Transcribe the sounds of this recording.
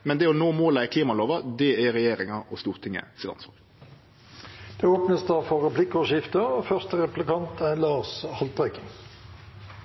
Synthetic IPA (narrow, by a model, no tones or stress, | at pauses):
mɛnd̪ɛɔnoːmoːlækʰliːmɑloːʋɑd̪ɛæʁɛjeːɾɪŋɑɔst̪uːʁt̪ʰɪŋːə̰siːd̪ɑ̰nsmɑ̰l | d̪̥ɛoːpnəsd̪æʁfɔʁʁɛplɪkʊʃɪft̪əoːfœʁst̪əʁɛplɪkɑnt̪ʰælɑːʁshɑlt̪̚bʁækən